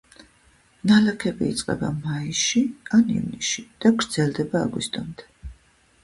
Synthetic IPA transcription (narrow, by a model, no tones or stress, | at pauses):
nalakʰɛbiːt̪sʼqʼɛ̰bamaiʃianḭvnisʃid̪̥aɡɾd̪z̥ɛlˠd̪ɛba̰ːɡwḭst̪ʼɔmd̪ɛ̥